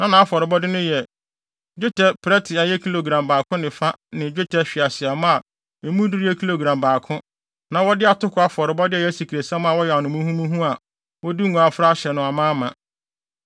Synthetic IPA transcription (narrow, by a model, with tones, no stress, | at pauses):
nã˦nã˨a˦fɔ˨ɾɪ˨bɔ˦dɪ˦nʊ̃˦jɛ˨ | d͡ʑᶣo˦tʰɛ˨pʰːɾɛ˦tʰɪ˨a˨jɛ˦kʰi˦lo˨ɡɾã˨mbaː˨kʰʊ̃˦nɪ̃˨fa˦nɪ̃˨d͡ʑᶣʊ˦tʰɛ˨ɕᶣɪ˨a˨sɪ˨a˨mʊ̃˦a˨ | e˨mũ˦di˦ɾi˦ɛ˦kʰi˦lo˨ɡɾã˨mbaː˨kʰʊ̃˦ | nã˨wɔ˦dɪ˦a˨tʰʊ˦kʰʊ˨˦a˦fɔ˨ɾɪ˨bɔ˦dɪ˦ɛ˨jɛ˦si˨kʰi˨ɾe˨sã˦m˦a˨wɔ˦jɛ˨a˨nʊ̃˨mũ˦hũ˦mũ˦ɦũ˦a˨ | wɔ˦di˦ŋũ˨a˨fɾa˦ɕɛ˨nʊ̃˨a˨mãː˦mã˨